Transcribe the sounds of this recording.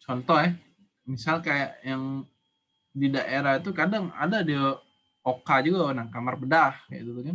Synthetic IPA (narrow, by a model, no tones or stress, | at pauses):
t͡ʃɔnt̪ɔhjɛ | misalkajaʔjaŋ | didaʔeɾahit̪ukadaŋa̰dadia | okad͡ʒuɡaunaŋkamarpədahkaja̰d̪ut̪ukan